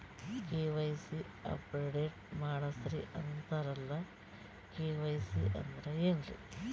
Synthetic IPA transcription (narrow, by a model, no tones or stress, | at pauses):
keːʋɐjsi | ɐ̰pɾeɖeːʈ̚maːɽɐsɐɾiʔɐnt̪ɐɾɐlːɐ | keːʋɐjsḭʔɐ̰nd̪ɐɾeeːnrḭ